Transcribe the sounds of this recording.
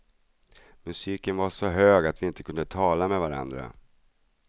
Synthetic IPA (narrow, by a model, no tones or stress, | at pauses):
mɵsiːkənvaʂɔɦøːɡat̪vɪɪnt̪əkʰɵnd̪ət̪ʰɑːlamɛvaɾa̰nd̪ɾa̰